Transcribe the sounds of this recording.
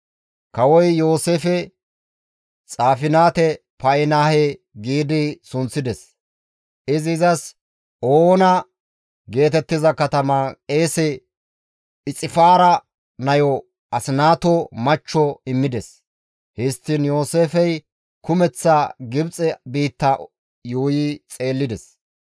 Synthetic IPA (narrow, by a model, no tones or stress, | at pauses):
kɐwɔjjo̞ːseːfɛ | t͡sʼaːfɪnaːt̪ɛ | pɐjɪnaːhe | ɡiːd̪ɪsʊnt͡sːɪd̪ɛs | ʔɪzɪzɐs | oːnɐ | ɡe̞ːt̪ɛt̪ːɪzɐkɐt̪ɐmaːkʼeːsɛ | ɪt͡sʼɪfaːɾɐ | nɐjɔ | ʔɐsɪnaːt̪ɔmɐt͡ʃːɔɪmːɪd̪ɛs | hɪst̪ːɪnjo̞ːseːfɛj | kʊmɛt͡sːaɡɪbt͡sʼɛbiːt̪ːɐ | juːjɪt͡sʼe̞ːlːɪd̪ɛs